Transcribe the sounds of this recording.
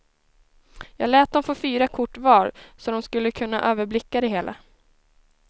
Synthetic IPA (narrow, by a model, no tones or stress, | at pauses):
jɑːɡlɛːt̪̚d̪ɔmfoːfyːɾakʰʊʈːvɑːɾsɔd̪ɔmskɵlːəkʰɵnːa̰ʔøːvəɾblɪkːad̪ɛɦeːlʔa̰